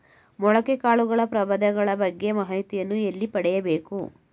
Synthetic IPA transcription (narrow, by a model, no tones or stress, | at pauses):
mɔɭɐkekaːɭuɡɐɭɐpɾɐbɐd̪ɐɡɐɭɐbɐɡːe̞mɐɦɐjt̪ijɐnːuelːipɐɽɛjɐbe̞ːku